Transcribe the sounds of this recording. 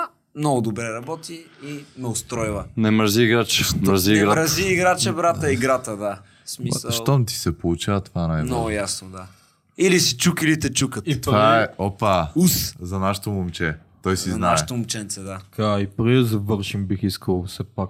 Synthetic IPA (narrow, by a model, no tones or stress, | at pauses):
mnɔɡʊd̪obɾɛɾɐbɔt̪iːmɛʊst̪ɾɔjvənɛmɾziːɡɾat͡ʃəmɾziːɡɾaɾɐziːɡɾat͡ʃəbɾat̪əiɡɾat̪əd̪a | smisəlʃˠɔmt̪̬i̥sɛpolˠut͡ʃavɐt̪ovanajmnɔɡʊjasnod̪a | ilisi̥t͡ʃukilit̪ɛt͡ʃukət̪t̪vaaɛɔpauszɐnaʃo̥t̪omomt͡ʃɛ | t̪ɔjszizɐnaʃt̪omomt͡ʃɛnt̪sɛd̪aɐkʰaipɾidizɐvəɾʃimbixiskəlˠfsɛpak